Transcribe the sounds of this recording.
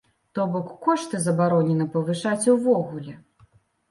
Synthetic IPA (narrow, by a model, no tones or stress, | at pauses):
t̪ɔbɔkːɔʂt̪ɨzɐbaɾɔnʲɛnɐpɐvɨʂat͡sʲuvɔɣulʲɛ